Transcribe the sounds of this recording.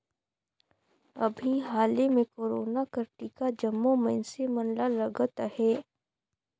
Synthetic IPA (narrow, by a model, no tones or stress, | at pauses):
ɐbʱiɦaːlemẽkoːɾoːnakəɾʈikad͡ʒɐmːomɛ̃nsemɐnlalɐɡət̪hɛː